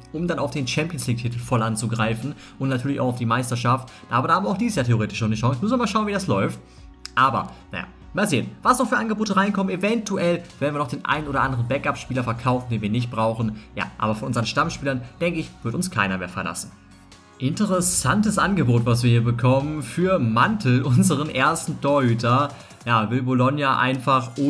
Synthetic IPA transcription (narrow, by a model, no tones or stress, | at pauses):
ʔʊmdanaʊfd̥eːnt͡ʃɛmpjənsliːk̚tʰitl̩fɔlʔant͡suɡʁaɪfn̩ | ʔʊntnatʰyːɐlɪçaʊxaʊfd̥iːmaɪstɐʃaft | ʔaaːbɐdahaːmvaʊxd̥iːɪsjaːtʰeoʁeːtɪʃnɔnəʃɔŋsmʏsn̩viɐmaːlʃaʊnvidaslɔʏft | ʔaːbɐ̰na̰ja̰ː | maːlzeːənvasnɔχfyːɐʔanɡəboːtəʁaɪnkʰɔmənevɛntuʔɛlvɛːɐdnviːɐnɔχd̥eːnʔa̰ɪnənoːdɐʔa̰ndəʁənbɛkʔapʃpiːlɐfɛɐkʰaʊfn̩deːnviːɐnɪçt̚b̥ʁaʊxn̩ja̰ːʔa̰ːbɐfɔnʔʊnzəɐʁənʃtamʃpiːlɐnd̥ɛŋkəɪçv̥ɪɐtʊnskʰa̰ɪnɐmeːɐfɛɐla̰sn̩ | ʔɪntəʁɛsantəsʔanɡəboːtv̥as̬viːɐhiːɐbəkʰɔmənfyːɐmantʰl̩ʔʊnzəʁ̞ənʔeːɐstn̩tʰoːɐhyːtʰɐ | jaːvɪlbolɔnjaʔa̰ɪnfaχʔo